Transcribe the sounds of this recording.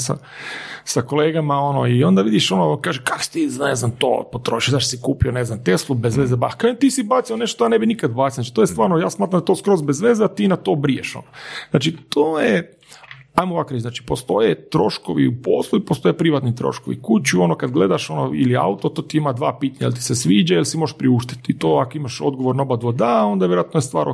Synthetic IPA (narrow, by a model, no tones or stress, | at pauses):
sa̰ | sakoleːɡamao̞no̰io̞nd̪aʋid̪iʃo̞nokaːʒekako̥si̥t̪ineznamt̪o̰ːpot̪ɾoʃiod̪aʃsikuːpioneznamt̪eslˠubezʋezeba̰xkaːʒet̪iːsibat̪sione̞ʃt̪o̥t̪ojanebinikad̪bat̪ssnat͡ʃit̪ojest̪ʋaːɾnojaːsmaːt̪ɾamd̪at̪oːskɾo̞zbezʋezeat̪iːnat̪o̞ːbɾijeʃo̰noznaːt͡ʃit̪oːje | ajmoʋakɾeznaːt͡ʃi̥po̞st̪o̞jet̪ɾo̞ʃkoʋḭupo̰slˠuipost̪o̞jepɾiʋat̪nit̪ɾo̰ʃkoʋḭkut͡ʃuo̞nokad̪ɡle̞d̪aʃo̞no̰ḭlia̰ut̪ot̪oːt̪iimad̪ʋaːpiːt̪aɲajelʲt̪i̥sesʋiːd͡ʒajelsimoɾeʃpɾiuʃt̪i̥t̪it̪oːakoimaʃod̪ɡoʋoɾnaobad̪ʋod̪ao̞nd̪ajeɾoat̪nojest̪ʋaːɾno̰